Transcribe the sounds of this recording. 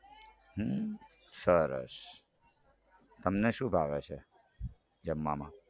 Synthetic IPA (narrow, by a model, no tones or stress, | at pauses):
ɦə | səɾə̰ʃ | t̪əmneʃũbʱaʋet͡ʃʰe | d͡ʒəmːamã